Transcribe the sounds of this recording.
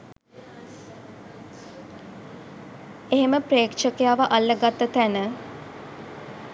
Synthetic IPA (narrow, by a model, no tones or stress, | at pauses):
eɦeməpreːkʃəkejaːʋəʔalːəɡat̪ːət̪ænə